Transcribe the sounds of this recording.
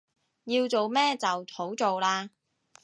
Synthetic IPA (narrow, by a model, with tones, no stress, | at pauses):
jiː˧wt͡so˨wmɛː˥t͡sɐ˨wtʰo˨˥wt͡so˨wlaː˧